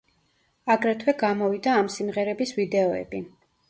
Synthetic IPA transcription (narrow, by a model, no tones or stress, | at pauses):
aɡɾɛt̪ʰwɛɡamɔvid̪aːmsimʁɛɾɛbisvid̪ɛɔɛ̰bi